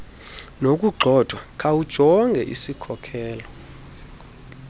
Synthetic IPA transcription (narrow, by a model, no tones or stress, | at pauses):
nok̬ʼuɡ͡ǃʱɔd̥ʱwakʼawud̥ʒ̥ʱɔŋɡʱɛʔḭsikʰɔkʰɛːlɔ